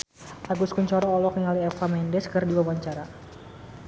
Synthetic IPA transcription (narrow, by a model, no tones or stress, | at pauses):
ʔaɡuskuɲt͡ʃɔɾɔːlɔkŋaliɛfamɛndɛskɨrdiwawaɲt͡ʃaɾa